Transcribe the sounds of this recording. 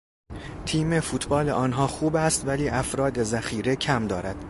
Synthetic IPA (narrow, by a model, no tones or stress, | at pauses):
t̪ʰiːmefuːt̪ʰbɒːleʔɒːnɦɒːxuːbæst̪væliːʔæfɾɒːd̪e̞zæxiːɾe̞cʰæmd̪ɒːɾæd̪̥